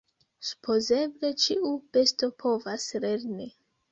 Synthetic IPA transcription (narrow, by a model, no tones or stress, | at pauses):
su̥pʰo̞ze̞ble̞t͡ʃiʔupe̞sto̞pʰo̞vasle̞ɾni